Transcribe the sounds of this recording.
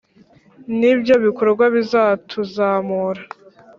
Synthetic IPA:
nibjo̞βikoɾɾɡwaβizatʰuzaːmuɾa

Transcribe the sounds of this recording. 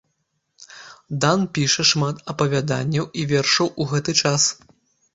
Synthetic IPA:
d̪anpʲiʂɐʂmat̪ɐpɐvʲad̪a̰nʲːɐwʔivʲerʂɐwʔuɣɛt̪ɨt͡ʂas

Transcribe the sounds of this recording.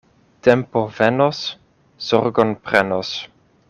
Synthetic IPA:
t̪ɛmpovenos | z̥ɔɾɡonpɾenos

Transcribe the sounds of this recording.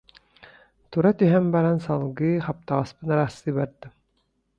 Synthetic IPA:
t̪uɾɑt̪ɵɦæmbɑɾɑnsɑlˠɡɯχɑp̚t̪ɑʁɑspɤ̆nɑɾasɯiβæɾd̪ɘ

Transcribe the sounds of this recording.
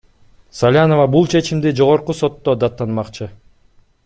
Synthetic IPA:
salʲanovɑbulˠt͡ʃʰe̞t͡ʃimd̪id͡ʒo̞ʁo̞ɾquso̞t̪ːod̪ɑt̪ːɑnmɑqt͡ʃɯ

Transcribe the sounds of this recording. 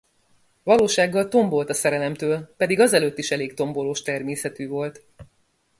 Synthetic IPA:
vɒloːʃaːɡːɒlt̪o̞mbo̞lt̪ɒsɛɾɛlɛmt̪øːlpɛd̪iɡɒzɛløːt̪ːiʃɛleːkt̪o̞mbo̞loːʃt̪ɛrmeːsɛt̪yːvo̞lt̪

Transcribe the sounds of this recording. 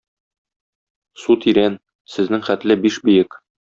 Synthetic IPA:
sut̪iɾæn | sɘ̆znɘŋχæt̪lɘbiʃbɵ̆jɘk

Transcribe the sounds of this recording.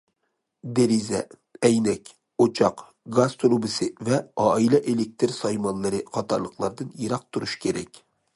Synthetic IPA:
d̪eɾizɛ̰ | ɛjnɛkʲ | ot͡ʃʰɑq | ɡɑst̪ʰɾubɨsɨvɛɑːilɛʔelɪk̚ʲt̪ʰɪɾsɑjmɑnlˠɨɾɨqʰɑt̪ʰɑɾlˠəqlˠɑɾd̪ɨnjeɾɑq̚t̪ʰuɾuʃkʲʰeɾɛkʲ

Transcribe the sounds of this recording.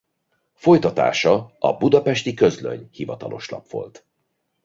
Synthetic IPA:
fo̞jt̪ɒt̪a̰ːʃɒɒbud̪ɒpɛʃt̪ikø̞zløɲhivɒt̪ɒlo̞ʃlɒ̰pʋo̞̰lt̪

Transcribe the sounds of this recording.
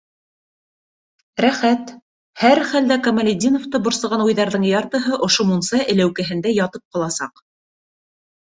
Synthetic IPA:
ɾæχæt̪ | hæɾχæld̪ækɐmɐlʲɪd̪ʲinoft̪ɤbŏɾsɤ̆ʁɑnujðɑɾðɤɴjɑɾt̪ɤ̆ɦɤʔŏʃomunsɑʔɘ̆læwkæɦɘ̆nd̪æjɑt̪ɤp̚qɑlˠɑsɑq

